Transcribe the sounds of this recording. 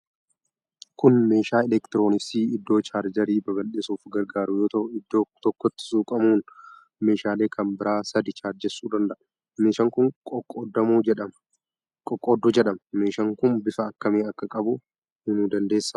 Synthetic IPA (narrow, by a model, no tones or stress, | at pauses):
kʊnme̞ːʃaːɛlɛkt̪ɪɾo̞ːnɪsiːɪd̪ːo̞ːt͡ʃaːɾd͡ʒɐɾiːbɐbɐlɗɪsuːfɡɐɾɡaːɾʊjoːt̪ɐʔʊɪd̪ːoːt̪ɔkːɔt̪ːɪ̥suːkʼɐmuːn | me̞ːʃaːle̞ːkʰɐmbɪɾʔaːsɐd̪ɪt͡ʃaːɾd͡ʒɛsːuːd̪ɐnd̪ɐʔɐ | meːʃɐŋkʊŋkʼkʼːod̪ɐmuːd͡ʒɛᶑɐ | kʼɔkʼːod̪ːɔd͡ʒɛᶑɐmme̞ːʃɐŋkʊnbɪfɐːkːɐmeːɐkːɐkʼɐbʊ | ɪnuːd̪ɐnd̪e̞ːsːɐ